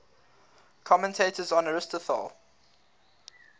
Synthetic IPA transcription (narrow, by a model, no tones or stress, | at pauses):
kʰɔmə̃ntʰeɪtəzɔ̃nəɹɪstəθɔ̰lˠ